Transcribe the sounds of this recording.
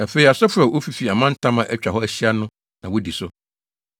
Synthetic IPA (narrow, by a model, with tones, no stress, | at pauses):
æ˨fe˨i˨a˨sɛ˦fʊ˦ɾa˨wo˦fi˨fi˨a˨mã˦n̩˦tʰã˦mã˨ʔæ˦t͡ɕᶣa˨ɦɔ˦æ˦ɕi˦a˦nʊ̃˦ | nã˨wʊ˦di˨sʊ˦